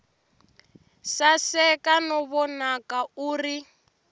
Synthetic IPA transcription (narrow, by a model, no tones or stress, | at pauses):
sasɛkanɔβɔnakauːri